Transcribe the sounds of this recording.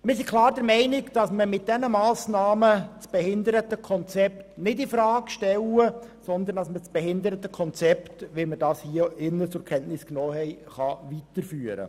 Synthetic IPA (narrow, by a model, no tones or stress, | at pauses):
mɪɾsikʰlˠɑːɾdəɾmɛɪnɪkd̥ɑsməmɪt̚d̥ɛnəmɑːsnɑːmət͡sb̥ɛhɪnd̪əɾətəkʰɔnt͡sɛptnɪdɪfɾɑːkʃtɛləsɔnd̪əɾndɑsmət͡sb̥ɛhɪnd̪əɾətəkʰɔnt͡sɛptʋimədɑːshiəɪnːət͡sʊɾkʰɛntnɪsknɔːɦɛɪχɑʋitəɾfyːəɾə̰